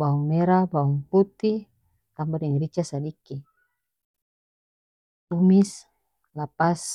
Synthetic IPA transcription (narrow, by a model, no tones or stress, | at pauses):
bauŋmɛɾabauŋput̪i | kambaɾɛŋɾit͡ʃasadiki | t̪umis | lapas